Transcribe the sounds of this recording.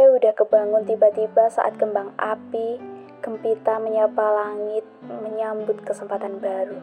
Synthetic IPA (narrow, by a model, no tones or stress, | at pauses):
audahkəbaŋʊnt̪ibat̪ibasa̰ʔa̰t̪̚kəmbaŋʔapi | kəmpit̪aməɲapalaŋɪt̪̚məɲambʊt̪̚kəsəmpat̪anbaɾu